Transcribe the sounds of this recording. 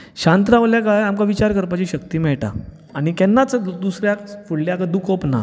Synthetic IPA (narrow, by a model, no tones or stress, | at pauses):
ɕãnt̪ɾaʋljakajamkaʋit͡ɕaɾkəɾpat͡ɕiɕək̚t̪iːmɛɭʈa̰ | aɽ̃ikɛnːat͡səd̪usɾjafuɽljakad̪ukʰɔpna̰